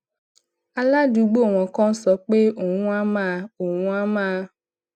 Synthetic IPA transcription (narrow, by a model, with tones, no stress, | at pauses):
a˨la˦du˨˦ɡ͡bo˦˨w̃ɔ̃˨kɔ̃˦sɔ˨˦k͡pe˦o˨ŋũ˦a˦mã˦˨o˨wũ˦a˦mã˦